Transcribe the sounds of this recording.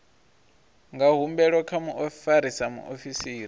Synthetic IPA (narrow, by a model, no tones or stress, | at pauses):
ŋɡaɦumbɛɺwɔkʰamuʔofaɾisamṵʔofisiːɾi